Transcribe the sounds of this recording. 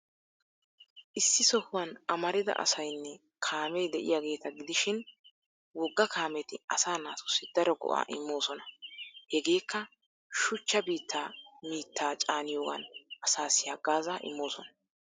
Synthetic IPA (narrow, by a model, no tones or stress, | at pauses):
ʔɪsːɪsɔhʊwɐnɐmɐɾɪd̪ɐ̰ʔɐ̰sɐjnːɛ | kʰaːmɛjd̪ɛʔɪ̰jaːɡe̞ːt̪ɐɡɪd̪ɪʃɪn | wɔɡːɐkʰaːmɛt̪ɪɐsaːnaːt̪ʊ̥sːɪd̪ɐɾɔɡɔ̰ʔa̰ːʔɪ̰mːo̞ːsɔnɐhɛɡe̞ːkːɐ | ʃʊt͡ʃːɐbiːt̪ʰːaːmiːt̪ːaːt͡ʃʼaːnɪjoːɡɐ̰nɐsaːsɪjaːɡaːzaːʔɪ̰mːo̞ːsɔnɐ̥